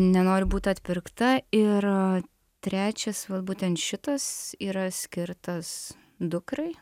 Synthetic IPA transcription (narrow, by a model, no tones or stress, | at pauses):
nʲɛnoːɾʲɪbuːt̪ʲɐt̪ʲpʲɪɾkt̪ɐɪɾ | t̪ʲɾʲæːt͡ʃʲɛsʋɐt̪buːt̪ʲɛnt̪ʃʲɪt̪ɐsiːɾɐsʲkʲɪɾt̪ɐs | d̪ʊkɾɐɪ